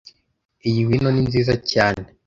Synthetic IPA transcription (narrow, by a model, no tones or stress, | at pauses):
ijiwinoninziːzacaːne